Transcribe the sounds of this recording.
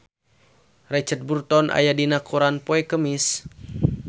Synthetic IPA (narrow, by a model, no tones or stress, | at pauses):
rɛt͡ʃət̪̚burt̪ɔnʔa̰jadinakʰuɾanpoɛkəmis